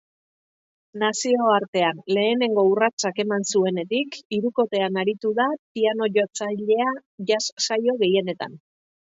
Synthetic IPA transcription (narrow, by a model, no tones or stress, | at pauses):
nasio̞aɾt̪e̞anle̞ːne̞ŋɡo̞urat͡sake̞mansue̞ne̞t̪ikiɾuko̞t̪e̞anaɾit̪uðapiano̞ʝot͡saʎe̞aʝassajo̞ɣe̞je̞ne̞t̪a̰n